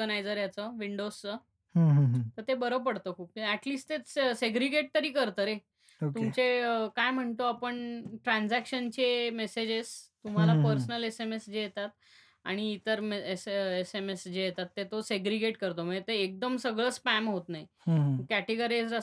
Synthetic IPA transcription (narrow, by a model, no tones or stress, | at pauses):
ənajd͡zəɾjat͡səʋiɳɖost͡sə | ɦɦt̪əɾt̪ebəɾəpəɽt̪əːkʰuːp̚kiæʈliːsʈt̪et͡sseɡɾiɡeʈ̚t̪əɾiːkəɾt̪əɾe | ot̪umt͡seəkajm̤əɳt̪oapəɳʈɾãnd͡zækɕənt͡ɕemesed͡ʑest̪um̤alapəɾsənəlesemesd͡ʑejet̪at̪̚ | a̰ɽ̃iːt̪əɾmeesesemesd͡ʑejet̪at̪ːet̪oseɡɾiɡeʈkəɾt̪oməet̪eːk̚d̪əmsəɡɭəspæmɦot̪naɦĩ | kæʈeɡəɾisɾa